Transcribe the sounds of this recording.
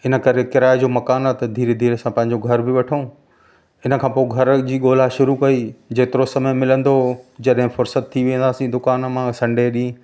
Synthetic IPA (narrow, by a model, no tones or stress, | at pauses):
ɪnə̆kɐɾekɪɾaːed͡ʑoːmɐkaːnat̪ɐd̪ʱiːɾd̪ʱiːɾəsãpɐ̃ɦɪ̃ɲ̆d͡ʑoɡʱɐɾbɪʋɐʈʰũ | ɪnə̆kʰãːpoːɪɡʱɐɾd͡ʑiːɠoːlaʃʊɾukɐid͡ʑeːt̪ɪɾosɐməjmɪlə̃nd̪od͡ʑɐɗɦɪ̃fʊɾsət̪ʰːiʋẽːnd̪aːsĩd̪ʊkaːnmãsɐ̃ɳɖeɗĩ